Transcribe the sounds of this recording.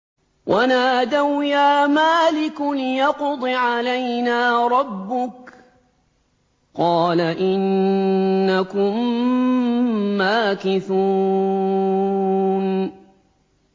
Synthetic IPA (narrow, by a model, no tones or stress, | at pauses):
wʔanaːd̪awjaːmaːlɪklɪjɑqd̪ˤɨʕalajnaːɾˤɑbːʊk | qɑːlaʔɪnː | akʊm | aːkɪθuː | n